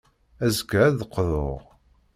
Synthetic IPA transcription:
æzəkːæðəqːðˤoʁ

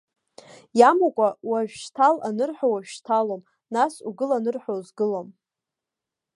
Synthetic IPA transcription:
jamakʷʼawaʒᶣʃtʰalanɨrħʷᶣowaʒᶣʃtʰalom | nasuɡɨlanɨrħʷᶣozɡɨlom

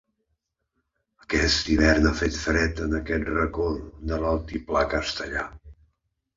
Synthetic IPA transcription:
əkɛst̪iβɛrnafet̪fɾɛt̪ənəkɛt̪rəkold̪əlalˠt̪iplakəst̪əʎa̰

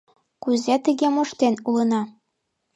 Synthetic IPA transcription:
kuzet̪ɘ̆ɣʲemoʃt̪enulɤ̆nɑ

